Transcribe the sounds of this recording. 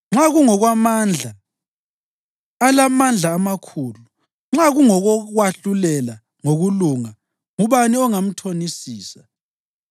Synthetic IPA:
ŋ͡ǁaɣuŋɔɣwamand͡ɮʱa | lamand͡ɮʱaːmakʰuːlu | ŋ͡ǁaɣuŋɔɣɔɣwaɬulɛla | ŋoɣuluːŋa | ŋuβaniɔŋam̩tʰonisiːsḁ

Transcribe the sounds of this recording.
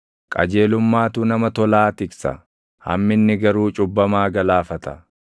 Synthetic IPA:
kʼɐ̰d͡ʒeːlʊmːaːt̪ʊnɐmɐt̪ɔlaːt̪ɪksɐ̰ | hɐ̰mːɪnːɪɡɐɾuːt͡ʃʼʊbːɐmaːɡɐlaːfɐt̪ɐ

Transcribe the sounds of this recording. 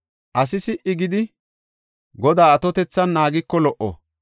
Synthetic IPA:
ʔɐsɪsɪʔɪɡɪd̪ɪ | ɡɔd̪aːɐt̪ɔt̪ɛt͡sːɐnːaːɡɪkːɔlɔʔɔ̰

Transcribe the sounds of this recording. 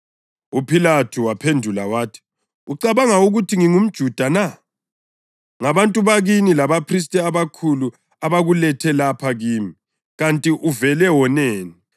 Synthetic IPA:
upʰilatʰuwapʰendʱulawaːtʰi̥ | uǀaβaŋauɣutʰiŋiŋum̩d̥ʒ̥ʱud̥ʱana | ŋaβantʼuβaɣinilaβapʰris̬tʼɛaβakʰulu | aβaɣulɛtʰɛlapʰaɣiːmi | ɣantʼiʔuvɛlɛwɔnɛːni

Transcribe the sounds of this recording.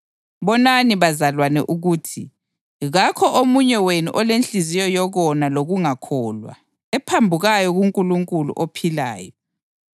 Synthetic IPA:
βɔnaniβazalwanɛʔuɣuːtʰi | ɣakʰɔʔomuɲɛwenṵʔɔlent͡ɬizijɔjɔɣɔnaloɣuŋakʰɔːlwa̰ | ɛpʰambʱuɣajɔɣuŋkʼuluŋkʼulṵʔopʰila̰ːjɔ

